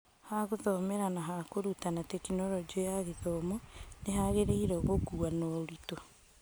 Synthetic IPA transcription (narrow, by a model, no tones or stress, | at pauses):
haɣoðɔmɛɾanaɦakoɾutanatɛkinɔɾɔd͡ʒiɔjaɣeðɔmɔneɦaɣeɾeiɾɔɣokuanɔɾito